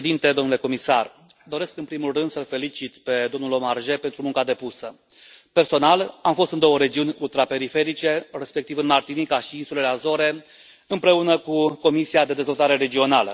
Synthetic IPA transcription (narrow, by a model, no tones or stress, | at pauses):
d̪int̪e̞d̪o̞mnuleko̞misar | d̪o̞ɾe̞skɨnpɾimulrɨnd̪səlfe̞lit͡ʃit̪pe̞d̪o̞mnulomarʒe̞pe̞nt̪ɾumuŋkad̪e̞pusə | pe̞rso̞nalamfo̞st̪ɨnd̪o̞wəɾe̞d͡ʒiunʲult̪ɾape̞ɾife̞ɾit͡ʃe̞re̞spe̞k̚t̪ivɨnmart̪inikaʃiinsule̞leazo̞ɾe̞ | ɨmpɾe̞unəkuko̞misiad̪e̞d̪ezvo̞lt̪aɾe̞ɾe̞d͡ʒio̞nalə̰